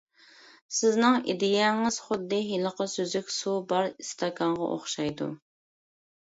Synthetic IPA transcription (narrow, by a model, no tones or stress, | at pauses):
sɪznɪŋḭd̪ɪjɛŋɪz̥χʊd̪ːɨɦilˠəqəsøzykʲsubɑɾist̪ʰɑkʰɑɴʁɑ̰ʔo̰χʃɑjd̪ṵ